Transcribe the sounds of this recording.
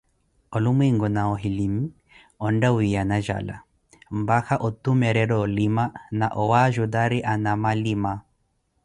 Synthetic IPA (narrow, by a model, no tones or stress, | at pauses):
ɔlumwiŋɡɔnaɔɦilimi | ɔndawianaʒa̰la̰ | mbaxaʔɔt̪umɛɾɛɾɔːlimanaʔɔwaʒuðaɾiʔanamalima